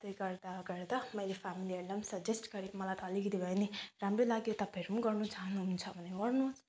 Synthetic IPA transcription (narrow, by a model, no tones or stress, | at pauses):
t̪ʌjɡʌɾd̪aɡʌɾd̪amʌjlefʰamilieɽɖʌmsʌd͡ʒesʈɡʌɾimʌlajt̪ʌːliɡid̪ibʱʌjneɾamɾolaɡjot̪ʌpaʌɾumuɡʌrnut͡saɦnuɦunt͡sʰʌbʱʌneɡʌrnus